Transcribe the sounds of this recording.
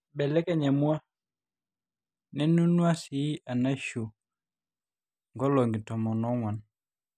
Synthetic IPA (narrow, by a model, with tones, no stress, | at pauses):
bɛ˨lɛ˦kɛ˨ɲɛ˨mwa˦ | nɛ˦nu˦nwa˦sɪ˨˦a˨na˦ʃo˨ | ŋɡɔ˦lɔ˨ŋɡɪ˨tɔ˨mɔ˨nɔ˦ŋwa˨n